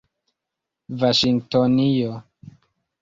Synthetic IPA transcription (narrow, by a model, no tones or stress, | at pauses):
vaʃiŋɡtonijo